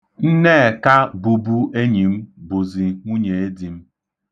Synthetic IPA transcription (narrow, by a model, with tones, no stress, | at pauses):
n̩˦ne˦e˨ka˦bu˨bu˦ʔe˦ɲi˨m̩˦bu˨zi˨ŋʷu˦ɲe˨e˦di˨m̩˦